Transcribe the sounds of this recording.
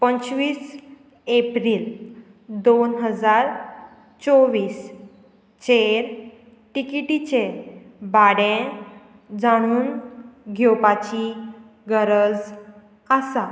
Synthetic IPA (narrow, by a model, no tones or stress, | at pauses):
pənt͡sʋiːs | epɾiːl | d̪onɦəd͡zaɾ | t͡soʋiːs | t͡ɕeɾ | ʈikiʈit͡ɕeɾbaɽẽ | d͡zaɽ̃uːnɡʱjopat͡ɕi | ɡəɾəd͡z | əsa